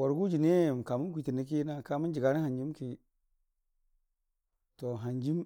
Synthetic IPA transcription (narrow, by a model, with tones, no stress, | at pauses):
wa˨ɾɡu˦d͡ʒi˨ne˦˨m˨ka˨mu˦nk̬ʷi˨ti˨ni˦k̬i˦na˦ka˨mu˦n˦d͡ʒi˨ɡa˨ni˦ha˨nd͡ʒi˦mki˦ | to˨ɦa˨nd͡ʒi˦m